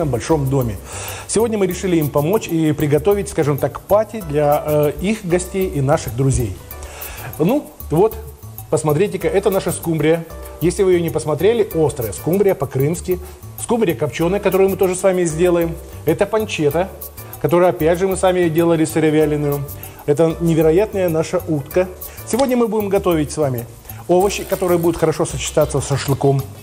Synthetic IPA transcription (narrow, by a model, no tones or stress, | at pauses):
əmbɐlʲʂo̞md̪o̞mʲɪsʲɪvodʲnʲəmɨɾʲɪʂɨlʲɪimpɐmo̞t͡ɕipɾʲɪɡɐt̪o̞vʲɪt̚ʲskaʐɨmt̪akpatʲɪd̪lʲɐixɡɐsʲtʲejinaʂɨɣd̪ɾʊzʲej | nu | vo̞t̪ | pəsmɐt̪ɾʲet̬ʲɪkaʔɛt̪ənaʂəskumbɾʲɪjəjesʲlʲɪvɨjonʲɪpəsmɐt̪ɾʲelʲɪo̞st̪ɾəjəskumbɾʲɪjəpɐkɾɨmskʲɪ | skumbɾʲɪjəkɐpt͡ɕonɨjkɐt̪o̞ɾɨjʊmɨt̪o̞ʐɨsvamʲɪzʲdʲe̞lˠəjɪmɛt̪əpɐnʲt͡ɕet̪ə | kɐt̪o̞ɾɨjəɐpʲædʲʐɨmɨsvamʲɪdʲe̞lˠəlʲɪsɨɾʲɪvʲælʲɪnʊjʊ | ɛt̪ənʲɪvʲɪɾɐjat̪nəjənaʂəʔut̪kə | sʲɪvo̞dʲnʲəmɨbudʲɪmɡɐt̪o̞vʲɪtʲsvamʲɪ | ovəɕːɪkɐt̪o̞ɾɨjəbudʲɪt̪xəɾɐʂo̞sət͡ɕːɪ̥t̪at̪səsəʂlˠɨko̞m